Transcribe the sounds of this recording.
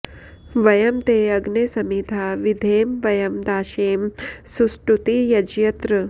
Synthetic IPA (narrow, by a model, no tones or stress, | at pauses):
ʋɐjɐmt̪eːɐɡnesɐmiːd̪ʱaːʋid̪ʱeːmʋɐjɐmd̪aːʃeːmsusʈɾut̪ijɐd͡ʒjɐt̪ɾɨ